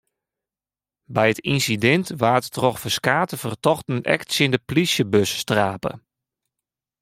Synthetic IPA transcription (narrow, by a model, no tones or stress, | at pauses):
bɛjətinsidɛntʋaːttroxfəskaːtəfərtɔxtnənɛ̰ksjɪndəplisjəbøsːtraːpə̰